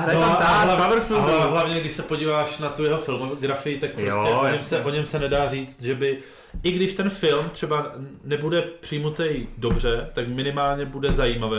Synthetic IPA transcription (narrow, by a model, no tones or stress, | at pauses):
ɦɾajoaalavavɾfɪoɦlavɲɛɡdɪʃsɛpo̞ɟiːvaːʃnat̪ujɛɦo̞fɪlmoɡɾafɪjɪt̪ak̚pɾoscɛoɲɛmsɛʔo̞ɲɛmsɛnɛdaːriːt͡st̪ʒɛbɪ | ʔɪɡdɪʃt̪ɛnfɪlmt̪r̥ɛbanɛbudɛpr̝̥ɪjmut̪ɛjdo̞br̝ɛt̪akmɪnɪmaːlɲɛbudɛzajiːmavɛː